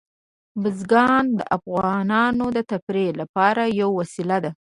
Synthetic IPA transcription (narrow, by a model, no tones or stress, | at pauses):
bɪzɡɑnd̪əʔafɣɑnɑnod̪ət̪apɾelapɑɾajawːasilad̪a